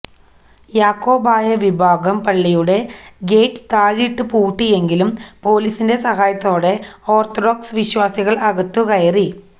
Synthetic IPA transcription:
jaːkːo̞ːbaːjɐʋibʱaːɡɐmpɐɭːijuɽe̞ɡe̞jʈːɨ̥t̪aːɻiʈːɨpuːʈːie̞ŋɡilumpo̞ːliːsinde̞sɐɦaːjɐt̪ːo̞ːɽe̞o̞ːrt̪ʰoɽoksʋiɕwaːsiɣɐɭɐɣɐt̪ːukɐjɐri

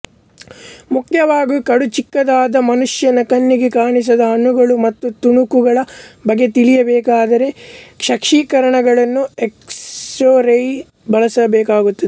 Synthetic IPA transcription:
mukjɐʋaːɡukɐɽut͡ʃikːɐd̪aːd̪ɐmɐnuʂjɐnɐkɐnːiɡekaːɳis̬ɐd̪ɐɦɐnuɡɐɭumɐt̪ːut̪uɳukuɡɐɭɐbɐɡːe̞t̪ilijɐbɛːkaːd̪ɐɾe̞ʂɐkʂiːkɐɾɐɳɐɡɐɭɐnːueksʈoːɾɐj | bɐɭɐsɐbɛːkaːɡut̪ːid̪e

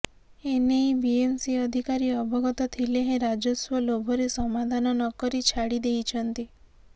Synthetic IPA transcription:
enejbiemsiɔd̪ʱikaɾiɔbʱɔɡɔt̪ɔt̪ʰileɦẽɾad͡ʒɔswɔlobʱɔɾesɔmad̪ʱanɔnɔkɔɾit͡ʃʰaɽid̪ejt͡ʃʰɔnt̪i

